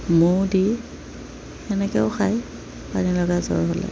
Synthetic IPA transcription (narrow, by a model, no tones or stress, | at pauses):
mʊdi | ɛnɛkɛʊxaj | panilɔɡazɔ̰ɹɦɔlɛ̰